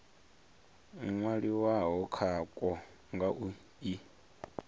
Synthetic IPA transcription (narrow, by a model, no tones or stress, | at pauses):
ŋwaɺiwaɦɔkʰakʼɔ | ŋɡaʔu | i